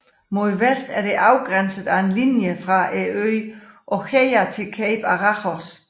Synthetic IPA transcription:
mo̝ðˠʋesd̥æɐd̥e̝ʔɑ̈ʊɡ̥ʁansəðˠæe̝nlinjəfʁɑ̈ʔeøʔɒkʰeɪɐt͡sʰe̝lkʰɛɪb̥ɑʁɑχɒs

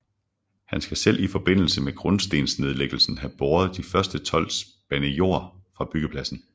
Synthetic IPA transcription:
hænsɡ̥æselʔifɒ̽b̥e̝n̰l̩səmeɡ̥ʁɔnsd̥e̝̰ːnsne̝ð̞ˠleɡ̥l̩sn̩ɦæb̥oːɐð̞̩ˠd̥ifɶɐsd̥ət͡sʰɒ̽l̰̥s | b̥ænəjo̝ɐ̰fʁɑ̈b̥yɡ̥əpʰlæsn̩

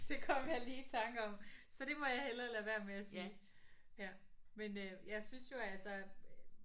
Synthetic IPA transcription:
d̥e̝kʰɒmʋæliːt͡sʰɑ̈ŋɡ̥əɒ̽msɒ̽d̥e̝mɒ̽jɑ̈ɪhelɐːlæɐʋæɐmeæsiːjæmenøjɑ̈ɪsynsjo̝ælsɒ

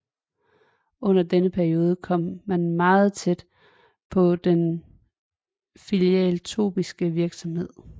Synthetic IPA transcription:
ʔɔ̽n̰ɐd̥enəpʰæɐio̝ːð̞ˠəkʰɒ̽m̰ːænmɑ̈ːð̞̩ˠt͡sʰed̥ | pʰɒ̽d̥en | filiɛ̰lt͡sʰo̝ːb̥isɡ̥əʋiɐɡ̥sɒ̽mhe̝ð̞̰ˠ

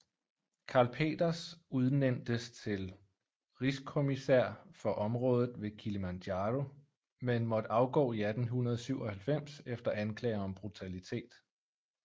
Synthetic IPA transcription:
kʰɑ̈ːlpʰe̝̰ːd̥ɐsuð̞ˠnen̰d̥əst͡sʰe̝l | ʁiskʰo̝misæɐ̰fɒ̽ʔɒ̽mʁɔ̽ːð̞ˠð̩ˠʋe̝kʰiləmændjɑːdo̝ | menmɒ̽d̥əɑ̈ʊɡ̥ɔ̰ːiæd̥n̩ɦunɐð̞̩ˠsyʊɒ̽hælfem̰sefd̥ɐʔænkʰlɛ̰ːɪɐɒ̽mb̥ʁut͡sʰælit͡sʰe̝̰ːd̥

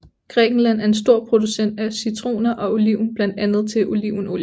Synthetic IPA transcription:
ɡ̥ʁɛːɡ̥n̩læn̰æɐe̝nsd̥o̝ɐ̰pʰʁo̝d̥usen̰d̥æsyt͡sʰʁo̝̰ːnɐʔɒ̽oliʊ̰n̩b̥læn̰d̥ænð̞̩ˠt͡sʰe̝lʔoliʊ̰n̩o̝

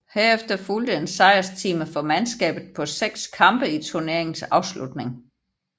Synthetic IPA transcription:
heɐefd̥ɐfuld̥əensɑ̈ɪɐst͡sʰiːməfɒ̽mænsɡ̥ɛ̰ːb̥ð̩ˠpʰɒ̽seɡ̥skʰɑ̈mb̥əit͡sʰuɐne̝ɐe̝ŋn̩sɑ̈ʊslud̥ne̝ŋ

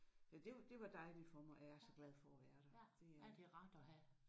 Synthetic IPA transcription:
jæd̥e̝d̥e̝ʋɑ̈d̥ɑ̈ɪlifɒmɒʔæɐsɒ̽ɡ̥lɛð̞ˠfɒ̽ːʋæːɐɾ̥ɑd̥e̝d̥e̝ʁɑ̈d̥ɒɦæ

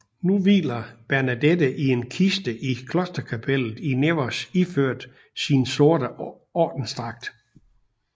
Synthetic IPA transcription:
nuʋḭːlɐb̥æɐnæd̥ed̥əʔie̝nkʰisd̥əʔikʰlɔ̽sd̥ɐkʰæpʰel̰ð̩ˠineʋɐsiføɐ̰d̥ | sinso̝ɐd̥ə | ɒ̰ːd̥n̩sd̥ʁɑ̈ɡ̥̚d̥

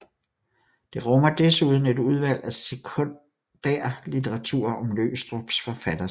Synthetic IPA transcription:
d̥e̝ʁɔ̽mɐd̥esuð̞ˠn̩e̝duð̞ˠʋæl̰æsekʰo | d̥æːɐ̰lit͡sʰeʁɑt͡sʰṵɐʔɒ̽mlø̰ːʊsd̥ʁɔb̥sfɒ̽fæd̥ɐ

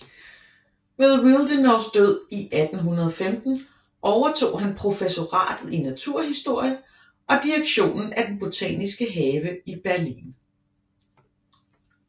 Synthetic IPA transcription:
welˠʁild̥enɒʊsd̥øð̞̰ˠiʔæd̥n̩ɦunɐð̞ˠɒ̽femd̥n̩ | ʔɒʊɐt͡sʰo̝̰ːɦænpʰʁo̝feso̝ʁɑ̰̈ːd̥ð̩ˠinæt͡sʰuɐ̰ɦisd̥o̝ɐ̰jə | ʔɒ̽d̥iʁeɡ̥ɕo̝̰ːnn̩æd̥enb̥o̝t͡sʰɛ̰nisɡ̥əɦɛːʋəib̥æɐlḭːn

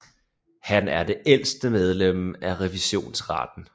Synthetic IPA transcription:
hænæɐd̥e̝ʔel̰sd̥əmeð̞ˠlem̰æʁɛʋiɕo̝̰ːnsʁɑ̰̈d̥n̩

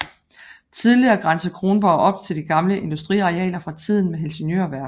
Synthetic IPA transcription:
t͡sʰið̞ˠliɐːɡ̥ʁɑ̈nsəkʰʁo̝ːnb̥ɒʊʔɒ̽b̥̚t͡sʰe̝ld̥iɡ̥ɑ̈mləʔe̝nd̥usd̥ʁḭɑiɛ̰ːlɐfʁɑ̈t͡sʰið̞̰ˠn̩meɦelɕənjø̰ːɐʋæɐɡ̥̩

